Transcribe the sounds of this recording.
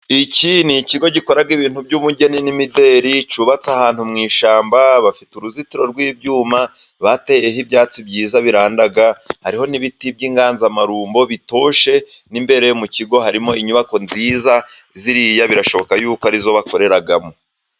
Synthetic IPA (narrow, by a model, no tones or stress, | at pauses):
iciniciɡo̞ɟiko̞ɾaɡiβiːn̥hubɟuβuɟe̞ninimide̞ːɾit͡ʃuːβat͡sahaːn̥humŋiːʃaːmbaβafituɾuzitiɾo̞ɾɡwiːbjuːma | βatejehibjaːt͡sibɟiːzaβiɾaːndaɡahaɾiho̞niβitib̚ɟiːŋɡaːnzamaɾuːmbo̞βito̞ʃe̞ | nimbe̞ɾejomuciɡo̞ɦaɾimo̞iɲuβako̞nziːza | ziɾijaβiɾaʃo̞βo̞kajuːkoaɾizo̞βako̞ɾe̞ɾaɡamo